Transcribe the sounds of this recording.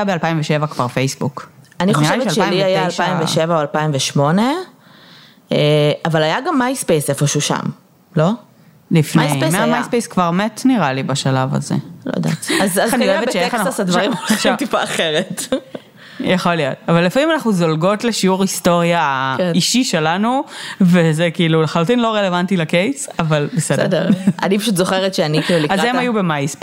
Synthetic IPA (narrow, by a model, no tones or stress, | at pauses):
jabealpaimveʃevakvaʁfejsbukaniχoʃevelʃeailiajaːlʃpaimveʃevaoalpaimveʃmo̞ne̞ | eavalajaɡamːajspejsefoʃuʃa̰m | lo̞ | lifnesemeamajspejskvaʁmetniʁalibaʃalava̰zḛlo̰ja̰d̪a̰t̪azaanioeveʃeasassad̪vɐimʃat̪ipaːχeʁet̪ | jaχo̞lijo̞̰tavalːifamimanaχnuzolɡo̞tleʃiuʁisto̞ʁjaiʃiʃelanuvezekiːluleχalutinlo̞ʁelevantilakejsavalbesededʁa̰nip̬aʃut̪̬zoχeʁetʃeanikiːluliazʁemajubemajsp